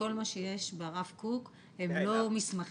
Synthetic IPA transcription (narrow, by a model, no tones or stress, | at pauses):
o̞lmaʃeje̞ʃbeaʁafkuk | hemlo̞mismaχ